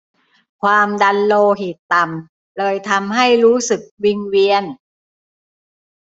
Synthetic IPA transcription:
kʰwaː˧mda˧nloː˧ɦi˨˩tt̪ːa˨˩m | lɤː˧jt̪ʰa˧mɦa˥˩jɾuː˦˥sɯ˨˩k̚wi˧ŋwi˧ən

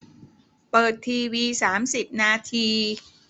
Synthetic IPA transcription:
pɤː˨˩t̪ʰːiː˧wiː˧saː˩˦msi˨˩p̚naː˧t̪ʰiː˧

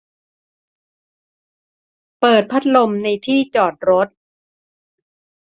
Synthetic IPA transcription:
pɤː˨˩t̪̚pʰa˦˥t̪̚lo˧mna˧jt̪ʰiː˥˩t͡ɕɔː˨˩t̪̚ɾo˦˥t̪̚

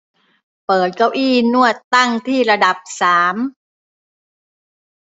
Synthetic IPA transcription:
pɤː˨˩t̪̚ka˧˩wʔiː˥˩nu˥˩ət̪ːa˥˩ŋt̪ʰiː˥˩ɾa˧da˨˩p̚saː˩˦m

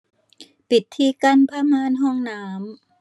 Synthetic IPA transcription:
pi˨˩t̪ʰːiː˧˩ka˧˥˨npʰaː˧˥maː˧˥˨nɦɔː˥˩ŋnaː˦˥m

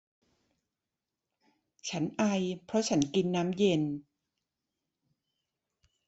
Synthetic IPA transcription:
t͡ɕʰa˦˥nʔa˧jpʰɾɔ˦˥t͡ɕʰa˦˥nki˧nːaː˦˥mje˧n

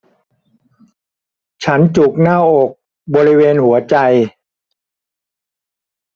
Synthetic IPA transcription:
t͡ɕʰa˦˥nt͡ɕu˨˩k̚naː˥˩ʔo˨˩k̚ | bɔː˧ɾi˦˥weː˧nhu˩˦ɐt͡ɕa˧j

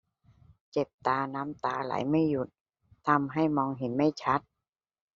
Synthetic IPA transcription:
t͡ɕe˨˩p̚t̪aː˧na˦˥mt̪aː˨˧˩la̰ː˩˦jma˥˩jːu˨˩t̪̚ | t̪ʰːa˧˥˩mɦa˥˩jmɔː˧ŋɦe˨˩˦nma˥˩jt͡ɕʰa˦˥t̪̚

